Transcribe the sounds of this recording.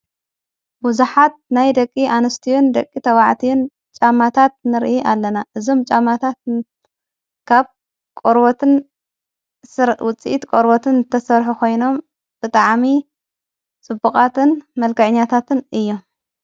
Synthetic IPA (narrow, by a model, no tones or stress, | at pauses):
buzuħat̪̚najd̪ɐkʼːiʔanɨst̪ʰijund̪ɐkʼːit̪ʰɐwaʕt̪ʰijun | t͡ʃʼamːat̪ʰat̪̚nɨɾʔiʔalːɐnaʔɨzo̞mt͡ʃʼamːat̪ʰat̪̚ | kʰaβ | kʼoɾbot̪ɨn | ɾwʊt͡sʼːḭʔit̪kʼoɾbot̪ʰɨnt̪ʰɐsɐɾħukʰo̞jno̞m | b̥ɨt̪ʼaʕmi | t͡sʼɨbːukʼat̪ʰɨnmɐlkɐʕɨɲːat̪ʰat̪ʰɨnɨjːom